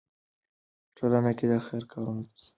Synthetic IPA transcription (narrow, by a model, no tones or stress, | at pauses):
pʈʰolanaked̪əxaɾkʰɑɾunat̪əɾsa